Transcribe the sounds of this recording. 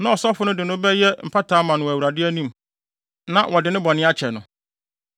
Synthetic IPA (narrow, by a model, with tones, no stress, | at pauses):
nã˦ɔ˨sɔ˦fʊ˦nʊ̃˦dɪ˨nʊ̃˦bɛ˦jɛ˦m̩˨pʰa˦tʰaː˦mã˨nʊ̃˨æ˨wu˨ɾa˨dɪ˦æ˦nĩ˦m | nã˦wʔɔ˨dɪ˨nɪ̃˦bɔ˨nɪ̃˦a˦t͡ɕʰɛ˨nʊ̃˨